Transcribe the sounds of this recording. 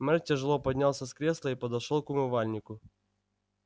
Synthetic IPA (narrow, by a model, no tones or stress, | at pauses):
mɛrtʲːɛʐɨlˠɔpɐdʲnʲalˠsʲɐskɾʲeslˠɐipɐd̪ɐʂɔlˠkʊmɨvalʲnʲɪkʊ